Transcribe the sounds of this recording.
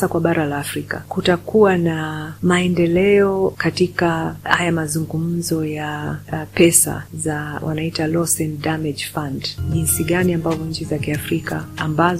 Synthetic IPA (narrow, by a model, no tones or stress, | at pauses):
akwaɓaɾalaːfɾika̰kutakuwanamaɛndɛlɛɔkatikahajamazuŋɡum̩zɔjapɛsa̰zawʔa̰naitalɔsɛndamɛʄfandʄinsiɠaniambavɔɲ̩t͡ʃizakiafɾikaːmbaz